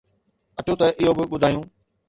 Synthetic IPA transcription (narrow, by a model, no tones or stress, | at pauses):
ɐʈʰot̪ɐʔɪɦobɪɓʊd̪ʱaːijũː